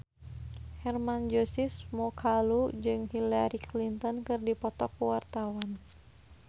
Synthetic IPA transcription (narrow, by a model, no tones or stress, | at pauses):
hɛrmand͡ʒosismɔkʰalud͡ʒɨŋhilaɾiklint̪ɔnkɨrdipɔt̪ɔkːuwart̪awan